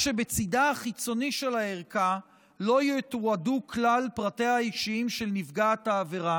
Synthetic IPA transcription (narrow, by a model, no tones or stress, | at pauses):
ʃe̞bet͡sidaaχit͡so̞niʃe̞laeʁka | lo̞jet̪uaduklalpʁatehaaikʃiimʃe̞lnifɡataːveʁa